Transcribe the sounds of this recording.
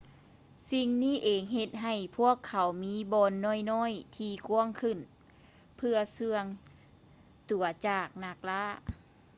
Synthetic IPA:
si˧ŋniː˥˨ʔeː˨˩ŋɦe˧t̪̚ɦa˨˩jpʰu˥˩əkʰːa˨˦wmiː˧˥bɔː˧nːɔː˧˥˩jnɔː˧˥˨jt̪ʰiː˧ku˧˥əŋkʰɯ˧˩n | pʰɯ˧ɐsɯ˧əŋ | t̪u˨˩ɐt͡ɕaː˨˩k̚na˧˩k̚laː˧˥˩

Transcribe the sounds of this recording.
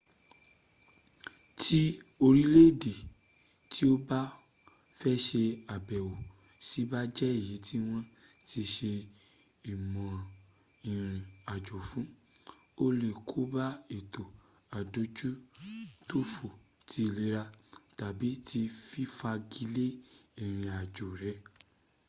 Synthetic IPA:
tʰi˦o˧ɾi˦le˦˨de˨ | tʰi˦o˦ba˦ | fɛ˦ʃe˧a˨bɛ˨wo˨ | si˨˦ba˦d͡ʒɛ˦i˦˨ji˨˦ti˦w̃ɔ̃˧ | ti˧ʃe˧ | i˨mɔ̃˨ɾã˨ | ĩ˨ɾ̃ĩ˨a˨d͡ʒo˨fũ˨˦ | o˦le˦˨kʰo˨˦ba˦e˨to˨ | a˨do˨˦d͡ʒu˦to˦fo˨ | tʰi˨˦˨le˨˦ɾa˧ta˨bi˨˦ti˧fi˦fa˧ɡi˧le˦i˦˨ɾ̃ĩ˧a˨d͡ʒo˨ɾɛ˨˦

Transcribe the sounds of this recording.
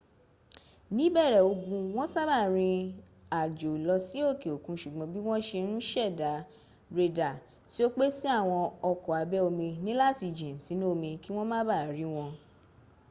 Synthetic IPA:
nĩ˨˦bɛ˦˨ɾɛ˨o˧ɡũ˧w̃ɔ̃˦sa˦ba˦˨ɾ̃ĩ˧ | a˨d͡ʒo˨lɔ˧si˦o˦˨ke˨o˨kũ˧ʃu˨ɡ͡bɔ̃˨˦bi˦w̃ɔ̃˦ʃe˧ɾ̃ũ˦ʃɛ˦˨da˨˦ | ɾe˧da˨ | ti˦o˦k͡pe˦si˦a˦˨w̃ɔ̃˧ɔ˧kɔ˨a˨˧bɛ˦o˧mĩ˧nĩ˦la˦ti˧d͡ʒĩ˨si˨˦nũ˦o˦˧mĩ˧ki˦w̃ɔ̃˦mã˦ba˦˨ɾi˨˦w̃ɔ̃˧

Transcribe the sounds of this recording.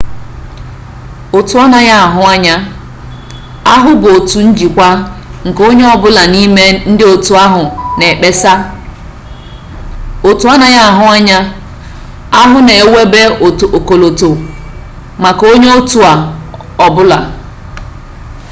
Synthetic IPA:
o˨tu˨a˦na˨ja˦a˨ɦʊ˦a˦ɲa˦ | a˦ɦʊ˦bo˨tu˨n̩˦d͡ʒi˨kʷa˦ŋ̩˨ko˦ɲe˦ɔ˦bʊ˦la˨ni˦me˦n̩˦dɪ˦o˨tu˨a˦ɦʊ˨ne˨k͡pe˦sa˦ | o˨tu˨a˦na˨ja˦a˨ɦʊ˦a˦ɲa˦ | a˦ɦʊ˦ne˨e˨we˦be˦o˨to˨ko˨lo˨to˨ | ma˨ko˦ɲe˦o˦tu˨a˨ | ɔ˨bʊ˦la̰˨

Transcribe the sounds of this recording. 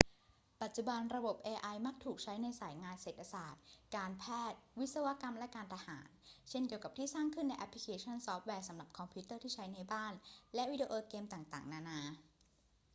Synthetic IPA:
pa˨˩t̪̚t͡ɕu˨˩ba˧nɾa˧bo˨˩p̚ʔeː˧ʔa˧jma˦˥˩k̚t̪ʰuː˨˩k̚t͡ɕʰa˦˥jna˧jsaː˩˦jŋaː˧nseː˨˩t̪ʰːa˧saː˨˩t̪̚kaː˧npʰɛː˥˩t̪̚wi˦˥t̪̚sa˧wa˦˥ka˧mlɛ˦˥kaː˧nt̪ʰa˧haː˩˦nt͡ɕʰe˥˩nki˨˩əwka˨˩t̪ʰiː˥˩saː˥˩ŋkʰɯ˥˩nːa˧jʔa˦˥pʰli˦kʰeː˧t͡ɕʰa˥˩nsɔ˦˥p̚wɛː˧sa˩˦mla˨˩p̚kʰɔ˧mpʰu˦˥t̪ɤː˥˩t̪ʰiː˥˩t͡ɕʰa˦˥jna˧jbaː˥˩nlɛ˦˥wi˦˥di˧ʔoː˧keː˧mt̪aː˨˩ŋt̪a̰ː˨˩ŋnaː˧naː˧

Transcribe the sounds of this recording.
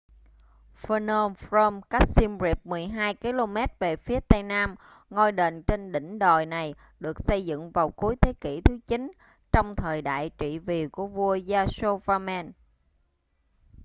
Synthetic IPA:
fə˧nə˧mfɹə˧mka˦˥k̚si˧mzi˨˩p̚mɨ˨˩əjɦaː˧jki˨˧lo˧mɛ˦˥t̚ve˨˩fi˨˦ət̪a˧jnaː˧m | ŋɔ˧jɗe˨˩nt͡ɕe˧nɗḭ̈˧˩˨ŋ̟ɗɔ̰˧˨˩jna˨˩j | ɗɨ˨˩ək̚sə˧jzɨ̰˧˨ŋvaː˨˩wku˨˦əjt̪ʰe˨˦ki˧˩t̪ʰɨ˨˦t͡ɕi˨˦n | t͡ɕɔ˧wŋ͡mt̪ʰəː˨˩jɗa̰ː˧˨jt͡ɕḭ˧˨vi˨˩ku˧˩əvu˧əzaː˧so˧vaː˧mɛː˧n

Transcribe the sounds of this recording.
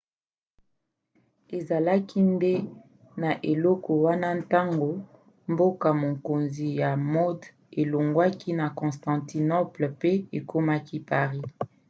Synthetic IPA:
e˨za˨la˦kʰi˦nde˦ | na˨ʔe˨lɔ˦kɔ˨wa˦na˦n˦ta˦ŋɡo˨ | mbo˦ka˨mo˨ko˨nzi˨ja˨mɔ˦d | e˨lo˨ŋɡwa˦ki˦na˨kɔ̃˨stɑ̃˨ti˨nɔ˦plpe˦e˨kʰo˦ma˦kʰi˦pa˨ʁi˦

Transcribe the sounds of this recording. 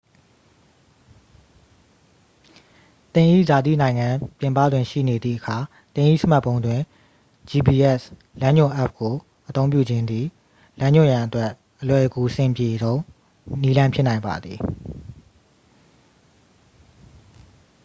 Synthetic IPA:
t̪ɪ̃˨ʔḭ˦˨za˨d̪ḭ˦˨nã˨ɪ̃ŋã˨pjɪ̃˨mpä̰˦˨dwɪ̃˨ʃḭ˦˨ne˨d̪ðḭ˦˨ʔəkʰa˨ | t̪ɪ̃˨ʔḭ˦˨sə˦ma˦ʔpːõ˦ʊ̃ndwɪ̃˨ | d͡ʑi˨bi˨ʔɛ˦s | lã˦ɲʊ̃˦˨ʔɛ˦p̚ko˨ | ʔət̪õ˦ʊ̃mpjṵ˦˨d͡ʑɪ̃˦nd̪ḭ˦˨ | lã˦ɲʊ̃˦˨jã˨ʔətwɛ˦ʔ | ʔəlwɛ˨ʔəɡu˨sɪ̃˨mpje˨ɾõ˦ʊ̃ | ni˦lã˦pʰjɪ˦ʔnã˨ɪ̃mba̰˨d̪ði˨

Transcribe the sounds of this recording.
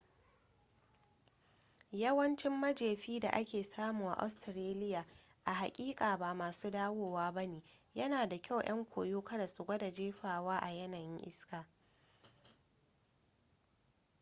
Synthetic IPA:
jɐ˦wɐ˦nt͡ʃɪ˦mːɐ˦d͡ʒeː˨ɸiː˦da̰˨ʔa˦kʲeː˨saː˦muː˨ʔa̰˨ʔa̰˦stɾeː˦lɪ˦jaː˨ | ʔa˨ɦa˨kʲʼiː˦kʼaː˨ba˨maː˨suː˦daː˦woː˨waː˦bɐ˦neː˨jɐ˦naː˨da˨kʲa˦˨wj̰ɐ˦ŋkʷoː˨joː˦kɐ˦da˨sʊ˨ɡʷɐ˦da˨d͡ʒeː˦ɸaː˨waː˦ʔa˨jɐ˦nɐ˨ŋʔɪ̰˦skaː˨

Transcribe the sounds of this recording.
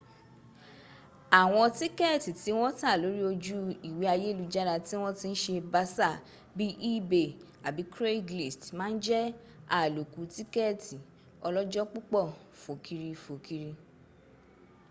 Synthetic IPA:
a˨w̃ɔ̃˧ti˦kɛ˦˨ti˨ti˨˦w̃ɔ̃˦ta˦˨lo˨˦ɾi˦o˧d͡ʒu˦i˨wi˨˦a˧je˦˨lu˧d͡ʒa˦ɾa˧ti˦w̃ɔ̃˦ti˦n̩˦ʃe˧ba˧sa˦˨ | bi˦ʔi˦be˧ | a˨bi˨˦kɾe˦˨ɡli˨stmãː˦n̩˦d͡ʒɛ˦ | a˨lo˨ku˨˧ti˦kɛ˦˨ti˨ | ɔ˧lɔ˦d͡ʒɔ˦k͡pu˦k͡pɔ˦˨ | fo˨kʰi˧ɾi˧fo˨kʰi˧ɾi˧

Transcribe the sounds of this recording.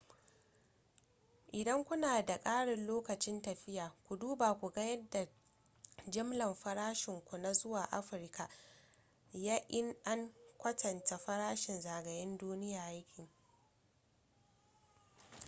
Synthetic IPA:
ʔɪ˨dɐ˦ŋkʷʊ˦naː˨da˨kʼaː˦ɽɪ˨nloː˦kɐ˨t͡ʃɪ˦ntɐ˨ɸɪ˦jaː˨kʷu˨duː˦baː˨kʷu˨ɡa˦jɐ˦dːa˨ | d͡ʒɪ˦mlɐ˨mɸɐ˦ɽaː˦ʃɪ˨ŋkʷu˨na˦zʊ˦waː˨ʔa̰˦ɸɪ˨ɾka˨ | jaː˦ʔɪ˦nʔa˦ŋkʷɐ˦tʰɐ˨nta˨ɸɐ˦ɾaː˦ʃɪ˨nzaː˨ɡɐ˨jɪ˦nduː˦nɪ˦jaː˨ʔa˦kʲʰɪ˨ŋ

